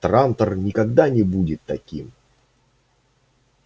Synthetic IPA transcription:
t̪ɾant̪ərnʲɪkɐɡd̪anʲɪbudʲɪt̪ːɐkʲim

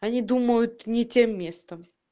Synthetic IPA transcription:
ɐnʲid̪uməjʊt̪nʲɪtʲemːʲe̞st̪əm

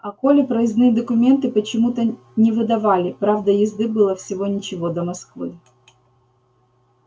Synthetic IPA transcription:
ɐkolʲɪpɾɐzʲnɨd̪əkʊmʲe̞nt̪ɨpət͡ɕɪmut̪ə | nʲɪvɨd̪ɐvalʲɪpɾavd̪əjɪzd̪ɨbɨlˠəfsʲɪvo̞nʲɪt͡ɕɪvo̞d̪əmɐskvɨ

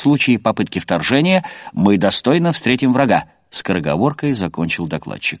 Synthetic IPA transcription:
slˠut͡ɕɪɪpɐpɨt̪̚kʲɪft̪ɐrʐɛnʲɪjəmɨd̪ɐst̪o̞jnəfst̪ɾʲetʲɪmvɾɐɡa | skɾəɡɐ̰vo̞rkəjzɐkonʲt͡ɕɪlˠd̪ɐklˠa̰tt͡ɕːɪk̚

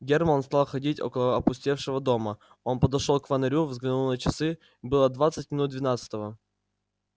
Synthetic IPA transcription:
ɡʲermənst̪alˠxɐdʲitʲo̞̰kəlˠəɐpʊsʲtʲefʂɨvəd̪o̞mə | o̞npəd̪ɐʂolˠkvənɐɾʲuvzɡlʲɪnunət͡ɕɪsɨ | bɨlˠəd̪vat̪sɨt̚ʲmʲɪnut̪̚d̪vʲɪnat̪sɨ̥t̪əvə

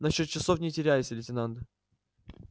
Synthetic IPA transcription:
nɐɕːot̪̚t͡ɕːɪsofnʲɪtʲɪɾʲæjɪsʲəlʲɪtʲɪnand̪ə

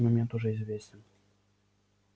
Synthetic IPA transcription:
mɐmʲɛnt̪uʐɛizʲvʲesʲt͡sʲɛn

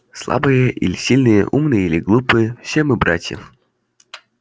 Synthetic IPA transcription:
slˠa̰bɨjəʔḭlʲɪsʲilʲnɨjə̰ʔumnɨjəilʲɪɡlˠupɨjəfsʲemɨbɾa̰tʲjə̰f

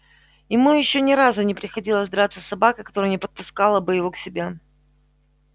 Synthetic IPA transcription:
jɪmujɪɕːonʲɪɾazʊnʲɪpɾʲɪxɐdʲilˠəzd̪ɾat̪sːə̥sɐbakəkɐ̥t̪o̞ɾəjnʲɪpət̪̚pʊskalˠəbɨjɪvo̞ksʲɪbʲe

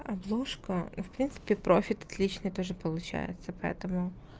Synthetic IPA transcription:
ɐblˠɔʂkɔwpɾʲint̪sɨ̥pʲɪpɾofʲɪt̪ɐ̥t̪lʲit͡ʃnɪjt̪ɔʐɨpɔlˠʊt͡ʃa̰jɛ̰t͡sʲːɐpɐɛ̰t̪ɔmʊ

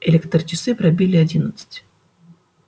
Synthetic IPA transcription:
elʲekt̪rt͡ɕɪsɨpɾɐbʲilʲɪɐdʲinət̪sɨ̥tʲ

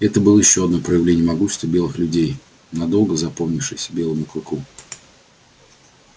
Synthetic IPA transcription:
ɛt̪əbɨlˠəjɪɕːoɐd̪nojpɾəjɪvlʲenʲɪjəmɐɡuɕɪ̥st̪vʲəbʲe̞lˠɨxlʲʉdʲej | nɐd̪o̞lˠɡəzɐpomnʲɪfʂɨjsʲə̥bʲe̞lˠəmʊkɾʊku

